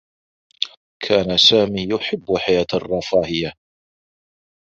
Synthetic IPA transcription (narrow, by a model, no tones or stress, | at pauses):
kʰaːnasaːmiːjʊħɪbːħajaːt̪ɑrˤːɑfaːhɪja